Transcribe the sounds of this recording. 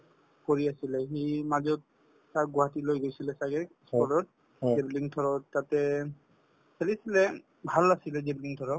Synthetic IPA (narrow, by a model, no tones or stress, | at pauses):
koɹiasilɛximazɔt̚ | saɡɔɦatilojɡojsilɛsaɡɛkspɔɹɔt̚ | ɡebliŋtʰɔɹɔtatɛ | sʰelisilɛ | bʱalasilɛzebliŋtʰɔɹɔ